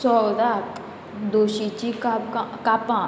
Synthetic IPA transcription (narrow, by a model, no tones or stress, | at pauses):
sɔd̪ak | d̪oːʃit͡ʃikakapã